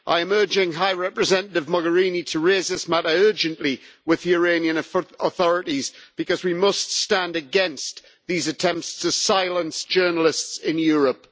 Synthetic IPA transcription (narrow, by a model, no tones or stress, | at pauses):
ʔa̰ɪɪmɜ˞d͡ʒɪ̃ŋɦaɪɹɛpɹɨzɛ̃ñəɾɪvmɔɡəɹĩnitʰəɹeːzðɪsmaɾəɜːd͡ʒə̃nʔliwɪðiəɹeɪ̃niə̃nəθɔɹɪɾizb̥ɨkʌzwimʌststãndɨɡɛ̃ns | ðiːzətʰɛ̃mp̚tstʰəsaɪlˠə̃nsd̥ʒ̥ɜːnəl̩ˠɪstsɪ̃njɔɹəp̚